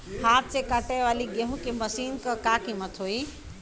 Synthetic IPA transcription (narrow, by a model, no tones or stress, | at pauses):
haːt̪̚sekaːʈajʋaːliɡeɦũkeməsiːnkəkaːkimɐt̪ʰoːi